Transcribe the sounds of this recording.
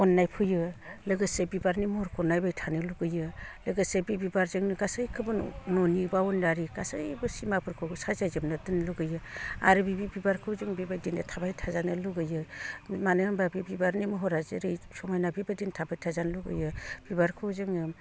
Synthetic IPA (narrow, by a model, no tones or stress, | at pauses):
ɔnːajpʰɯjɯlɯɡɯsebibaɾnimhɔɾkʰɔnajbajtʰanɯluɡɯjɯlɯɡɯsebibibaɾzɯŋnɯɡasɯjkʰɯbɯnɔnibawundaɾiɡasɯjbɯsimapʰɯɾkʰɯsazajzɯmnɯdɯnluɡɯjɯa̰ɾɯbibibibaɾkʰɯwzɯŋbibadindɯtʰabajtʰazanɯluɡɯjɯmanɯmbabibibaɾnimɯɦɔɾazɯɾɯjsɔmajnabibadintʰabajtʰazanluɡɯ̰jɯb̥ibaɾkʰɯwzɯŋɯ